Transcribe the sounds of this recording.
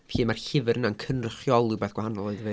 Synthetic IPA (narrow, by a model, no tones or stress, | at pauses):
fʰiːmarɬɪvɨɾənankʰənrəχjɔlˠubɛːθɡ̥wahanɔlˠɔɨðve